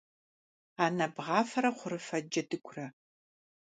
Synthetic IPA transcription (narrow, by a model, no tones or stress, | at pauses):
aːnɐbʁɑːfɐɾɐχʷʊɾɨfɐd͡ʒɐdɨkʷʰrɐ